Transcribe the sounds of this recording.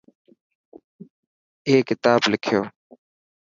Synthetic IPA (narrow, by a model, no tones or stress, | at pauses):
eːkɪt̪aːblɪkʰɪjoː